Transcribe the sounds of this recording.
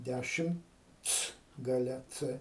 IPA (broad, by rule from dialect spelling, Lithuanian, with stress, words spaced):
ˈdʲæʃʲɪmt͡s ɡɐˈlʲɛ ˈt͡sɘ